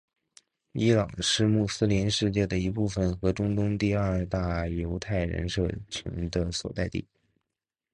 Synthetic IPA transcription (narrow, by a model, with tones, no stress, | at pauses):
i˥lɑ˨˩ŋʂɻ̩˥˧mu˥˩sɹ̩˥li˧˥nʂɻ̩˥˧t͡ɕjɛ˥˩d̪ə˩i˧˥pu˥˩fə˨˩nxɤ˧˥ʈ͡ʂʊ˥ŋt̪ʊ˥ŋt̪i˥˧ɐ˞˥˧t̪a˥˩jo˧˥ʊt̪ʰa˥˩ɪɻə̰˧˥nʂɤ˥˩t͡ɕʰḭ˧˥ŋd̪ə˧swɔ̰˨˩t̪a˥˧ɪt̪ḭ˥˩